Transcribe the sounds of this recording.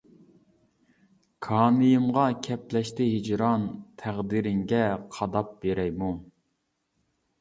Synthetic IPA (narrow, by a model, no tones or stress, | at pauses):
kʰɑːnɨjɨmʁɑkʲʰɛplɛʃt̪ɪɦid͡ʒɾɑnt̪ʰæʁd̪iɾɪŋɡʲɛqʰɑd̪ɑp̚b̥eɾɛjmu